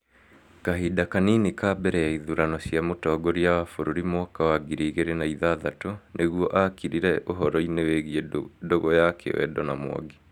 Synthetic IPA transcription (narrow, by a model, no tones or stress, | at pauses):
kaɦidakaninikabɛɾɛjaiðuɾanɔsjamotɔːɡoɾiawafoɾoɾimwɔkawaɡiɾiɣeɾenaiðaðatonʔeɣwɔʔakiɾiɾɛʔoɦɔɾɔineweɣiɛdoɣɔjakʰḛwɛ̰dɔnamwɔ̰ɡe